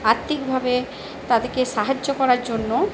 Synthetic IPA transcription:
aɾt̪ikbʱabe | t̪ad̪eɾkeʃaɦad͡ʑːokɔɾaɾd͡ʑonːo

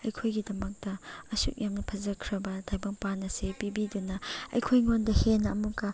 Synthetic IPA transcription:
ɐjkʰojɡidɐmɐk̚dɐːsṵk̚jamnɐpʰɐzɐkʰɾɐbɐdajbɐŋpanɐsepibidunɐɐ̰jkʰojŋondɐhenɐɐmukɐ

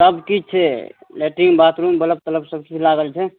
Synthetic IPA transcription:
səbkit͡ʃʰɛleʈiŋɡbat̪ɾumbələb̚t̪ələbsəb̚kit͡ʃʰlaɡəlt͡ʃʰɛ

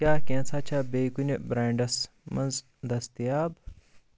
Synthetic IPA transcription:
kʲaːkẽːnt͡sʰaːt͡ʃʰaːbeːkunʲɐbɾaːɳɖɐs | mɐnz | d̪ɐst̪ijaːb

